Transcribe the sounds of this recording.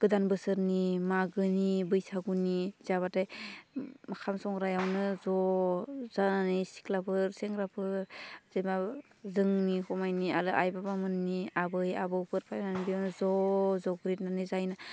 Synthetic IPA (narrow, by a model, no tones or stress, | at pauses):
ɡ̥ɯdanbɯsɯɾnimaɡɯnibɯjsaɡunizaβataj | makʰamsɔŋɾajawnɯzɔ | zananɯjsi̥klapʰɯɾseŋɾapʰɯɾzema | zɯŋnikʰɔmajniaɾɯʔajbabamɯnːiabɯja̰bɯwpʰɯɾpʰajnanibijawnɯzɔzɔɡɾit̚nanizajna